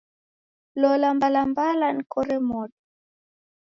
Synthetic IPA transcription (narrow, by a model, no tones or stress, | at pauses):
lɔlambalambalanikɔɾɛmɔɗɔ